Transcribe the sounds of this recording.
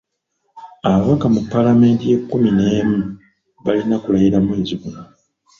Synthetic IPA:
aβaβakamupːalame̞ːntije̞kːumine̞ːmu | βalinakulajiɾamweːɟiβuna

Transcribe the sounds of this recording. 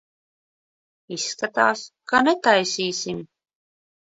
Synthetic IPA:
iskat̪ɑːskɑnet̪ɑjsʲiːsʲim

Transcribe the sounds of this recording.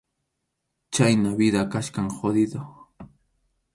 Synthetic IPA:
t͡ʃajnaβɪd̪akaʃkaŋxod̪ɪd̪o

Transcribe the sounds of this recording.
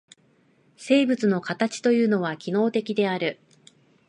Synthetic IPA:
se̞ːbɯ̟t͡sɨno̞kat̪at͡ɕi̥t̪o̞jɯ̟ːno̞β̞akʲino̞ːt̪e̞kʲid̪e̞aɾɯ̟

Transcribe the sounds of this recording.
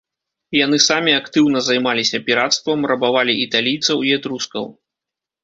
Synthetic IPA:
janɨsamʲiakt̪ɨwn̪ɐzajmalʲisʲɐpʲiɾat̪st̪vɐmrɐbavalʲiit̪alʲijt̪sɐwiɛt̪ɾuskɐ̰w

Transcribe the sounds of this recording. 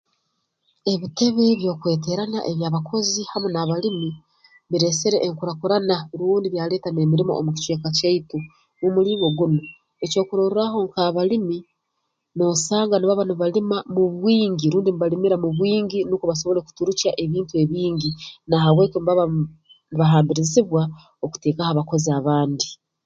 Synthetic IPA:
e̞βite̞βe̞βjo̞ːkwe̞ːte̞ɾana̰ʔe̞βjaːβakʰo̞zihamonaβalimi | βiɾe̞seɾe̞ʔːŋkuɾakuɾanaɾuːndiβjaːle̞ːtane̞ːmiɾimo̞̰ʔo̰muci̥t͡ʃwe̞ːkacaitu | numuliŋɡo̞ɡuno | eco̞ːkuɾoɾuɾaɦo̞ŋkaβalimi | no̞saːŋɡaniβaβaniβalimamuβwiːɲɟiɾuːndiniβalimiɾamuβwiːɲɟinukuβaso̞βo̞le̞ku̥tuɾucaʔe̞βiːntue̞βiːɲɟinahawe̞ːkomβaβ | niβaɦaːmbiɾiziβwa | oku̥te̞ːkahaβako̞ziaβaːndi

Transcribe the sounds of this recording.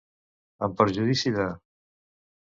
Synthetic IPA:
əmpəɾʒuðisiða

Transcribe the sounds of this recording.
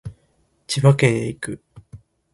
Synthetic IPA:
t͡ɕibakeeikɯ̟

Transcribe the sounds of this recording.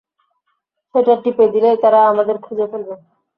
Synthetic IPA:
ʃeʈaʈiped̪ilet̪aɾaamad̪eɾkʰud͡ʑepoɾbe

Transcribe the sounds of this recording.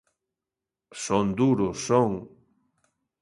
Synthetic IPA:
sond̪uɾʊsoŋ

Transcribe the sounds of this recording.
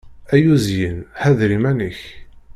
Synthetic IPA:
æjuzjənhæðɾimænəç

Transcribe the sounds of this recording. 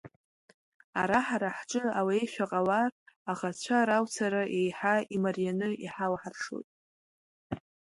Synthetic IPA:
aɾaħaɾaħʈ͡ʂʼɨawaejʃʷᶣaqʼawaraχat͡ɕʷʰaɾawt͡sʰaɾaʔe̞jħaimarijanɨiħalħarʂo̰jtʼ

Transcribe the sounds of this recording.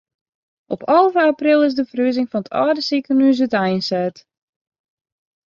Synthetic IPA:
ʔɔpʰɔlˠvəaːprɪlˠɪs̬dəfərøəzɪŋfɔnətʰɔːdəsikənyəs̬ətɛjnsɛt

